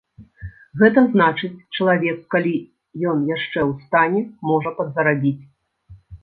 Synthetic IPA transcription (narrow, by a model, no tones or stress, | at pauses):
ɣɛt̪̬ɐznat͡ʂɨt͡sʲt͡ʂɐlˠavʲɛkːalʲi | jɔnjaʂt͡ʂɛwst̪anʲɛmɔʐɐpɐd̪zɐɾabʲit͡sʲ